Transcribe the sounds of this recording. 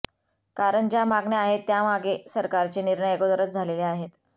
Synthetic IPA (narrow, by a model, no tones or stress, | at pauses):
kaɾəɳd͡ʑjamaɡɳeaɦet̪ːjamaɡesəɾkaɾt͡ɕeniɾɳəjekod̪əɾət̪̚d͡zʱaleleaɦet̪